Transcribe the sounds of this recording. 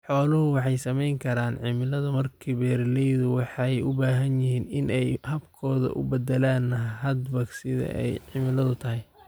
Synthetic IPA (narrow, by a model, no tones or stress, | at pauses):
ħɔːlʊhʊwɑħɑjsɐmɛjŋkʰɐɾaːnʕɪmɪlɐðɐmɐrkʰiːbɛːrlɛjðʊwɑħɑjʊbaːɦɐnjɪɦiːnɪnɛjhɐbkʰɔːðɐ̰ʔʊ̰bɐd̪ɛlaːnːɐɦɐd̪bɐɡsɪðɐ̰ʔɛ̰jʕɪmɪlɐðʊt̪ʰɐɦɪj